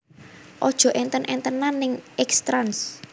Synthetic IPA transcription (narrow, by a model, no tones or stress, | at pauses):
ʔɔd̥ʒ̥ɔ̤ʔɛnt̪ənʔɛnt̪ənːanɪŋɛkst̪ɾans